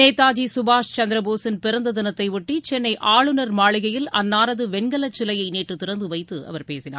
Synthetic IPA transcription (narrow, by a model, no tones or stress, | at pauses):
neːt̪ːaːd͡ʒisʊbaːʂt͡ʃɐnd̪ɾɐboːsɪnpɪɾɐnd̪ɐðɪnɐt̪ːɐɪʋʊʈːit͡ʃɛnːɐɪʔaːɭɯnɐɾmaːɭɪɣɐjɪlɐnːaːɾɐðɯʋɛnɡɐlɐt͡ʃːɪlɐjɐɪneːʈːɯt̪ɪɾɐnd̪ɯʋɐɪt̪ːɯɐ̰ʋɐɾpeːsɪna̰ː